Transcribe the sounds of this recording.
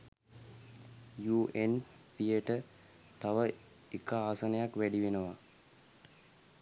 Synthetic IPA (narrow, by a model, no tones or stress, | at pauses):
juːʔen | pijeʈə | t̪aʋə | ikəaːsənəjakʋæɖiʋenəʋa